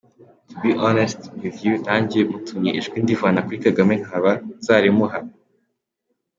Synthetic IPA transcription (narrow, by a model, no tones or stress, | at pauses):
tʰubiʔɔnestwiðjutaːɲɟemutʰuɲeʔeʒɡwindivaːnakuɾikaɡamen̥haβaz̥aɾimuɦa